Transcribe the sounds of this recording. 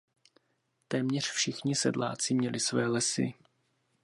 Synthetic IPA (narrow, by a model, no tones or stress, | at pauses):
t̪ɛːmɲɛr̝̥fʃɪxɲɪsɛ̰dla̰ːt͡sɪmɲɛlɪsvɛːlɛsɪ̰